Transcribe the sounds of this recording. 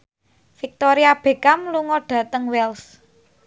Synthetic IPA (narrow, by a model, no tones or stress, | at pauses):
fik̚t̪ɔɾiab̥e̤kamluŋɔɖ̥ä̤t̪əŋwɛls